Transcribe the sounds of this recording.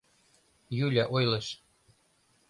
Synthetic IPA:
julʲæʔojlˠɤ̆ɕ

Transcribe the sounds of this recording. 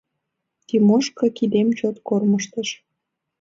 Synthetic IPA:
t̪imoʃkɤ̆kid̪emt͡ɕot̪korməʃt̪əʃ

